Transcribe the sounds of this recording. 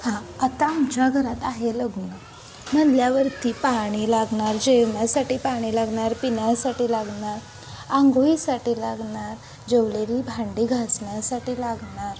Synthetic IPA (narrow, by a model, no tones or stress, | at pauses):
hãat̪amt͡ɕaɡʱəɾat̪aɦeləɡnə | nəd̪jaʋəɾt̪iːpaɽ̃iːlaɡɳaɾd͡ʑewɳjasaʈiːpaɽ̃ilaɡɳaɾpinjasaʈiːlaɡɳaɾ | ãŋɡoisaʈiːlaɡɳaɾ | d͡ʑeʋleɾibʱaɳɖiːɡʱat͡sɳjasaʈiːlaɡɳaɾ